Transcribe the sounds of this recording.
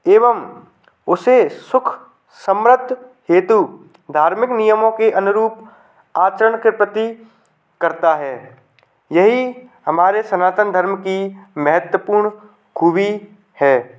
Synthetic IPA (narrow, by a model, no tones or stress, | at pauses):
eːʋəm | ʊsesʊkʰ | səmɾəd̪ʱɦeːt̪u | d̪ʱaːɾmɪknijəmõkeʔɐnʊɾuːp | aːt͡ʃəɾəɳkɪpɾət̪i | kɐɾt̪aɦɛː | jɐɦihɐmaːɾesɐnaːt̪ənd̪ʱəɾmkimɐɦət̪wəpuːɾɳ | kʰuːbi | hɛː